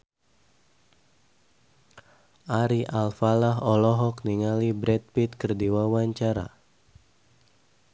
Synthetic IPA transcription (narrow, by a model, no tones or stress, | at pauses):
ʔaɾiʔalfalaɦɔlɔɦɔkniŋalibɾɛt̪̚pit̪kərdiwawaɲt͡ʃaɾa̰